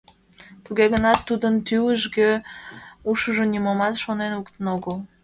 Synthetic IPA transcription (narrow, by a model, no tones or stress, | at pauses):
t̪uɣeɣənɑt̪ːud̪ənt̪yləʒɡe | uʃəʒonʲimomɑt̪ʃonenukt̪ənoɣəl